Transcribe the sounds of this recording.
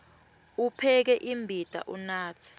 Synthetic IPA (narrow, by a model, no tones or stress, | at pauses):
upʰɛk̬ɛʔimbʱid̥ʱa̰ʔunaːt͡sʰi̥